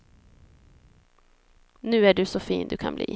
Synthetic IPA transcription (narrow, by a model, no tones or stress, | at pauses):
nʉ̟ːæɖɵsɔfiːnd̪ɵkʰanblḭː